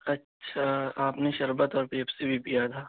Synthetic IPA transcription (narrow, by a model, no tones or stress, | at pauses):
ɐtːʃʰaaːpneʃɐɾbat̪ɔːɾpeɐpsebʱipijat̪ʰaː